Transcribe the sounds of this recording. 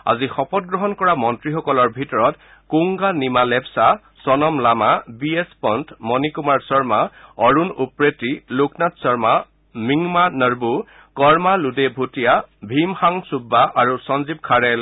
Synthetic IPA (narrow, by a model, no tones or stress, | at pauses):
a̰zixɔpɔt̚ɡɹɔɦɔnkɔɹamɔntɹixɔkɔlɔɹbʱitɔɹɔt | kuŋɡanimalɛpsa | sɔnɔmlamabiespɔntmɔnikumaɹsɔɹmaɔɹunupɹetilʊknatsɔɹma | miŋmanəɹbu | kɔɹmaludebʱutijabʱimxaŋsubːaʔaɹusɔnzib̚kʰaɹɛl